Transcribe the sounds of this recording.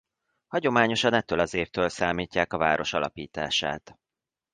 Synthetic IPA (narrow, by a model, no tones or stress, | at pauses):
hɒɟo̞maːɲo̞ʃɒnɛt̪ːøːlɒzeːft̪øːlsaːmiːcːaːkɒva̰ːɾo̞ʃɒlɒ̰piːt̪a̰ːʃa̰ːt̪